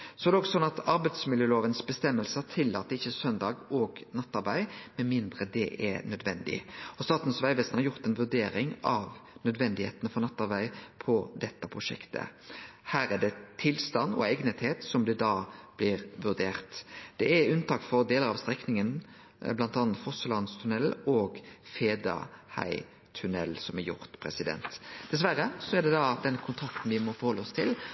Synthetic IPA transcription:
sɔɛd̪ɛɔɡsɔnːɑt̪ɑɾbæɪd̪smɪljøːloːʋənsbəst̪ɛmːəlsət̪ʰɪlːɑ̰ːt̪əɾɪçːəsœnd̪ɑːɡɔɡnɑt̪ːɑɾbæɪmɛnmɪnd̪ɾəd̪ɛ̰ʔɛnœd̪ʋɛnd̪ɪ̰ɔst̪ɑːt̪n̩sʋæɪʋeːst̪nhɑɾjʊʁt̪ɛnʋʉɾd̪eːɾɪŋɑʋnœd̪ʋɛnd̪ɪhḛːt̪ənəfɔɾnɑt̪ːɑɾbæɪpʰɔd̪ɛt̪ːəpʰʁʊʂɛ̰kt̪ʰə̰hæːɾæɖ̪ɛt̪ʰɪlst̪ɑnːɔ̰ɛɡnət̪heːt̪sɔmd̪ɛd̪ɑːb̥lɪɾʋʉɾd̪eːʁt̪d̪̥ɛæʉnt̪ʰɑːkfɔɾd̪eːləɾɑʋst̪ʁɛknɪŋən | blɑnt̪ɑnət̪fɔsəlɑnst̪ʰʉnɛloːɡfeːd̪ɑ̰hæ̰ɪ | t̪ʰʉnɛ̰lːsɔmɛɾjʊ̰ɾt̪pʰɾɛ̰sɪd̪ɛ̰nt̪d̪̥ɛsʋæɾəsɔɛɖ̪ɛd̪ɑd̪ɛnkʰʊnt̪ʰɾɑkt̪n̩ʋɪmɔfɔɾhɔlːəɔst̪ʰɪl

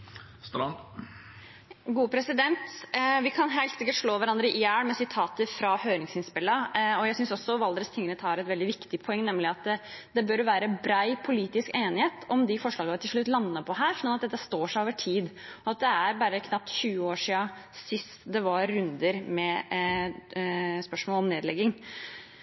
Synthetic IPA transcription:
st̪ | ɡuːpʰɾɛsɪd̪ɛnt̪ʋɪkʰɑnɦɛɪlt̪sɪkːəʈʂɭoːʋæɾɑnd̪ɾəʔɪjæːɽmɛsɪt̪ʰɑːt̪əɾfɾɑhøːɾɪŋsɪnspɪlːɑɔjæɪsʏnsɔsːɔʋɑld̪ɾəst̪ʰɪŋːənət̪hɑɾɛt̪ʋɛld̪ɪʋɪkt̪ɪpʰɔɛŋːnɛmlɪɑt̪d̪ɛbøɾʋæːɾəbɾæɪpʰʊliːt̪ɪskeːnɪheːt̪ʰɔmd̪ɪfɔʂɭɑːɡɑʋɪt̪ʰɪlʂɭʉt̪ːlɑnːəpʰɔɦæːɾsːɑnɑt̪d̪ɛt̪ːəst̪oːʂæoːʋəʈʰiːd̪ɔɑt̪̚d̪ɛæɾbɑɾəkʰnɑp̚t̪ɕʉːəoːʂiːɑsɪst̪d̪ɛʋɑːʉnd̪əɾmɛ | spœʂmɔːlɔmneːd̪lɛɡːɪŋ

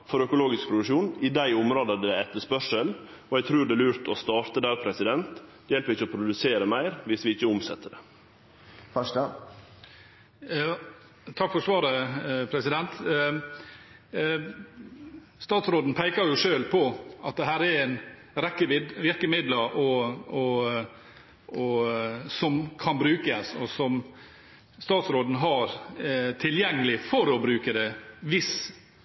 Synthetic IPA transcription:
fɔɾœkʊloːɡɪsk̚pʰɾʊd̪ʉʂuːnɪd̪æɪʊmɾoːd̪əəd̪ɛæɛt̪ːəspœʂəl | ɔɛɡt̪ʰɾʉːɖɛælʉːɾt̪ɔst̪ɑːɾt̪əd̪æɾpʰɾɛsɪd̪ɛnt̪ | jɛlpəɾɪçːəɔpʰɾʊd̪ʉseːɾəmæɪɾʋɪsʋɪɪçːəʊmsɛ̰t̪ːəɖɛ | fœʂʈə | t̪ʰɑkfɔɾsʋɑːɾəpʰɾɛsɪd̪ɛnt̪ | st̪ɑːt̪sɾoːd̪n̩pʰæɪkɑɾjʊʂøːlpʰɔɑt̪̚d̪ɛɦæːɾɛɾæɪn | ɾɛkːəʋɪɾkəmɪd̪ləɾʔɔɔ | ɔsɔmkʰɑnbɾʉːkəsɔsɔm | st̪ɑːt̪sɾoːd̪n̩ɦɑɾt̪ʰɪljɛŋːəlɪfɔɾɔbɾʉːkəd̪ɛʋɪs

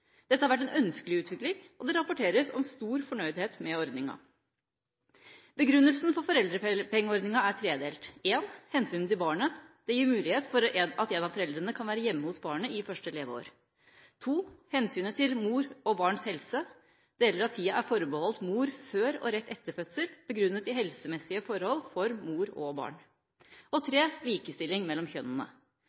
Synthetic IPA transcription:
d̪̥ɛt̪ːəhɑɾʋæʈ̬ːɛnœnskəlɪʉːt̪ʰʋɪklɪŋʔɔd̪ɛɾɑpʊʈʰeːɾəsɔmst̪uːɾfɔɳœʏd̪heːt̪mɛɔɾd̪nɪŋɑ̰ | bəɡɾʉnːəlsn̩fɔɾfɔɾɛld̪ɾəpɛŋːəɔɾd̪nɪŋɑæt̪ʰɾeːd̪eːlt̪eːnhɛnsyːnt̪ɪlbɑːɳəd̪̥ɛjiːɾmʉːlɪheːt̪fɔɾɑt̪ɛnɑʋfɔɾɛld̪ɾənəkʰɑnʋæːɾəjɛmːəhʊsbɑːɳəɪfœʂʈəleːʋəo̰ːɾ | t̪ʰuːhɛnsyːnət̪ʰɪlmuːɾɔbɑːɳshɛlsə | d̪̥ɛjɛlːəɾɑt̪ʰːiːəʔæɾfɔɾbəhɔlt̪muːɾføːɾɔ̰ɾɛt̪ːɛt̪ːəfœt̪səlb̥əɡɾʉnːət̪ɪɦɛlsəmɛsːɪəfɔɾhɔlːfɔɾmuːɾɔbɑ̰ːɳ | ʔɔt̪ʰɾeːliːkəst̪ɪlɪŋmɛlːɔmçœnːənə̰

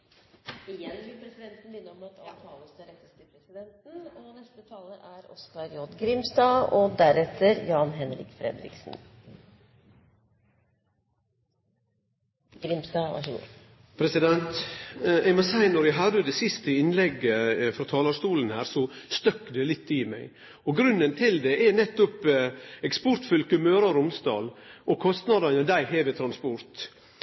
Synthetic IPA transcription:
ɪjɛnbɪlpʰɾɛsɪd̪ɛnt̪n̩mɪnːəɔmɑt̪ʰɑt̪ʰɑːlɔsd̪ɛɾɛt̪ːəst̪ɪpʰɾɛsɪd̪ɛnt̪n̩ɔnɛst̪ət̪ʰɑːləʔæɾɔ̰skɑɾjɔd̪ɡɾɪmsd̪ɑːɔd̪æɾɛt̪ʰːəɾjɑːnɦɛnɾɪ̰kfɾɛ̰d̪ɾɪ̰ksn | ɡɾɪmsd̪ɑːʋɑ̰ʂəɡṵː | pʰɾɛsɪd̪ɛnt̪ | ɛɪmosæɪnɔɾjæɪɦɑd̪əd̪ɛːsɪst̪əɪnlɛɡːəfɾɑːt̪ʰɑːlɑʂt̪uːln̩hæːɾsɔst̪œkːd̪ɛlɪt̪ːɪmæɪ | ɔɡɾʉnːənt̪ʰɪld̪ɛʔɛnɛt̪ːʊpɛkspɔɾt̪fʉlkʉmøːɾɑɾʊmst̪ɑ̰ːlʔɔkʰɔst̪nɑd̪ɑnəd̪æɪheːʋeːt̪ʰɾɑnspɔɾt̪

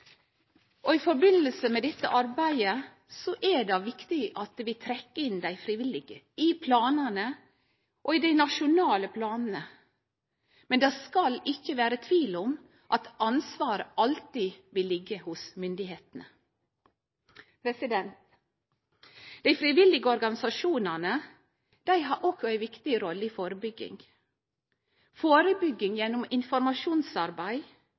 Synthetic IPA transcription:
ʔɔɪfɔɾbɪnəlsəmɛd̪ɛt̪ːə̰ʔɑɾbæɪə | sɔʔɛɖɑʋɪkt̪ɪʔɑt̪ʋɪt̪ʰɾɛkːəɪnd̪æɪfɾɪʋɪlɪɡə | ɪpʰlɑːnənə | ʔɔɪd̪æɪnɑʃʊnɑːləpʰlɑːnn̩ə | mɛnd̪ɑskɑlɪçːəʋæːɾət̪ʰʋiːlɔm | ʔɑt̪ɑnsʋɑːɾəɑlt̪iʋɪlːɪɡːəhʊsmʏnd̪ɪheːt̪nə | pʰɾɛsɪd̪ɛnt̪ | d̪̥æɪfɾɪʋɪlɪɡəɔɾɡɑnɪsɑʃuːnɑnə | d̪̥æɪɦɑɾʔɔkɔæɪʋɪkt̪ɪəɾɔlːəiːfoːɾəbʏɡːɪ̰ŋ | foːɾəbʏɡːɪŋjɛnːʊmɪnfɔɾmɑʃuːnsɑɾbæɪ

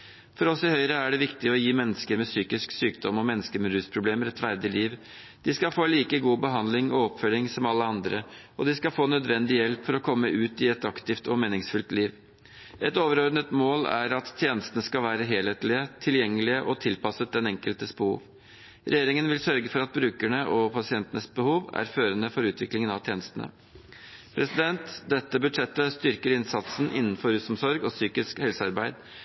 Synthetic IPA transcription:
fɔɾɔsɪhœʏɾəæɖɛʋɪkt̪ɪɔjiːmɛnːəskəɾmɛsyːkɪsksyːkd̪ɔmɔmɛnːəskəmɾʉːspʰɾʊbleːmɾɛt̪fæɾd̪ɪliːʋ | d̪̥ɪskɑfoːliːkəɡuːbəɦɑnd̪lɪŋɔɔpfœlɪŋsɔmɑlːəɑnd̪ɾə | ɔd̪ɪskɑfoːnœd̪ʋɛnd̪ɪjɛlpfɔɾɔkʰɔmːəʔʉːt̪ɪɛt̪ɑkt̪ɪft̪ɔmeːnɪŋsfʉlt̪liːʋ | ʔɛt̪oːʋəɾɔɾd̪nət̪moːlæ̰ɾɑt̪ːʰjeːnəst̪ənəskɑlʋæːɾəɦeːlheːt̪lɪət̪ʰɪljɛŋːəlɪəʔɔt̪ʰɪlpʰɑsət̪̚ɛnɛŋkəlt̪əsbəhṵːʋ | ɾʔɛ̰jeːɾɪŋənʋɪlsœɾɡəfɔɾɑt̪̚bɾʉːkæɳəʔɔpʰɑsɪɛnt̪ənəsbəhuːʋæ̰ɾføːɾənəfɔɾʉːt̪ʋɪklɪŋənɑʋt̪ʰjeːnəst̪ənə̰ | pʰɾɛsɪd̪ɛnt̪d̪ɛt̪ːəbʉd̪ʂɛt̪ːəst̪ʏɾkəɾɪnsɑt̪sn̩ʔɪ̰nːn̩fɔɾʉsɔmsɔɾɡɔsyːkɪskhɛlsəɑɾbæɪd̪

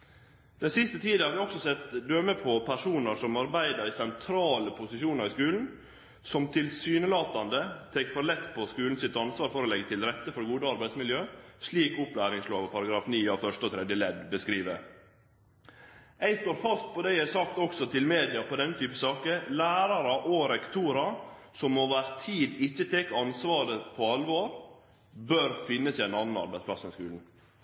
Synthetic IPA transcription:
d̪̥ɛnsɪst̪ət̪ʰiːd̪əhɑɾʋɪɔksɔsɛt̪d̪øːməpʰɔpʰæʂuːnəɾʂɔmɑɾbæɪd̪əɾɪsɛnt̪ʰɾɑːləpʰʊsɪʃuːnɑɾɪskʉːln̩ | sɔmt̪ʰɪlsyːnəlɑːt̪ɑnd̪ət̪ʰɛkʰfɔɾlɛt̪ːpʰɔskʉːln̩sɪt̪ɑnsʋɑːɾfɔɾɔlɛɡːət̪ʰɪlɾɛt̪ːəfɔɾɡuːd̪əɑɾbæɪd̪smɪljøːʂɭiːkʊplæːɾɪŋsloːʋəpʰɑɾɑɡɾɑːfniːɑːʋfœʂʈəɔt̪ʰɾɛd̪jəlɛd̪bəskɾiːʋə | æɪst̪oːɾfɑst̪̚pʰɔd̪ɛæsɑkt̪ɔksɔt̪ʰɪlmeːd̪ɪɑpʰɔd̪ɛnːət̪ʰyːpəsɑːkəlæːɾɑɾɑʔoːɾɛkt̪ʰuːɾɑsɔmːoːʋæɾt̪ʰiːd̪ɪçːət̪ʰɛkːɑnsʋɑːɾəpʰɔɑlʋoːɾ | bøːɾfɪnːəsɪæɪnɑnːɑnɑ̰ɾbæɪsplɑsɛnskʉːln̩

